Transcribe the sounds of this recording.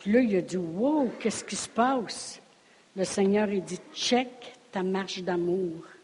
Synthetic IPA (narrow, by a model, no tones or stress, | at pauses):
pləiəd͡z̪iwokʲɛskʲispɑːs | ləsɛɲœːʁɛd͡zit͡ʃɛkt̪amaʁʃd̪amuːʁ